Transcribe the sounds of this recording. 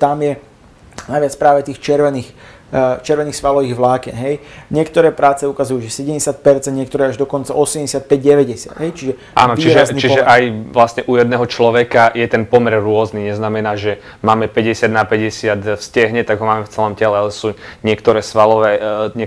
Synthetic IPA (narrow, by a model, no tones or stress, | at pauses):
t̪amjɛ | najʋɪat͡spɾaːʋɛt̪iːxt͡ʃɛɾʋɛniːx | t͡ʃɛɾʋɛniːxsʋalɔʋiːɣʋlaːkɛnɦɛjɲɪɛkt̪ɔɾɛːpɾaːt͡sɛukazujuːʒɛsɛɟɛmɟɛsɪat̪̚pɛɾt͡sɛnd̪ɲɪɛk̚t̪ɔɾɛːaʒd̪ɔkɔnt͡saʔɔsɛmɟɛsɪat̪̚pɛɟ̚ɟɛʋɛɟɛsɪa̰d̪ɦɛjt͡ʃiʒɛ | a̰ːnɔt͡ʃiɾʒɛznit͡ʃiɛʔajʋlasɲɛʔujɛd̪nɛːɦɔt͡ʃlɔʋɛkajɛt̪ɛnpɔmɛɾɾʊɔzniɲɛznamɛnaːʒɛ | maːmɛpɛɟɛsɪad̪napɛɟɛsɪat̪fscɛɦɲɛt̪aɡɦɔmaːmɛft͡sɛlɔmcɛlɛsuɲɪɛkt̪ɔɾɛːsʋalɔʋɛɲɛ